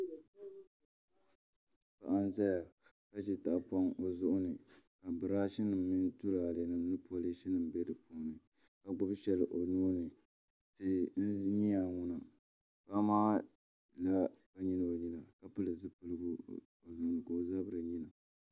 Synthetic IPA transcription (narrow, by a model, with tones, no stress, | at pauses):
pa̰˨ʔa˦n˦za˦ja˨ | ka˦t͡ʃi˦ta˨ʔpa˦ŋo˨zʊ˦ʔʊ˦nɨ˨ka˨bɨ˨ɾa˦ʃi˦nɨ˨mːi˦ntu˦la˨le˨nɨ˦nɨ˦pu˦a˦li˦ʃi˦nɨ˨m˨bɛ˦dɨ˨puː˦nɨ˨ | ka˨ɡ͡bʊ˦bʃɛ˦lɨ˨ʔo˨nuː˦nɨ˨ | tɨ˦n̩˦ɲi˦a˨ŋʊ˦na˨ | pa˦maː˦ | la˦ba˦ɲi˦nɨ˨o˨ɲi˦na˨ka˨pɨ˦lɨ˨zɨ˦pɨ˨lɨ˦ɡu˦ | o˨zʊ˨ʔʊ˨nɨ˨ko˨o˨za˦bɨ˦ɾɨ˨ɲi˦na˨